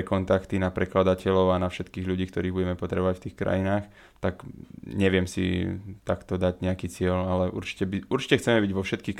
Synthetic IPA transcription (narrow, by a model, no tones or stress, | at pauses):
kɔnt̪akt̪inapɾɛklad̪acɛlɔʊanafʃɛt̪kiːɣʎuɟiːkt̪ɔɾiːɣbuɟɛmɛpɔt̪ɾɛbɔʋacft̪iːxkɾa̰jinaːx | t̪akɲɛʋɪɛmsḭt̪akt̪ɔd̪aɟɲɛakiːt͡sɪɛlalɛʔṵɾt͡ʃi̥cɛbiʔuɾt͡ʃi̥cɛxt͡sɛmɛbiɟʋɔfʃɛt̪̚kiːx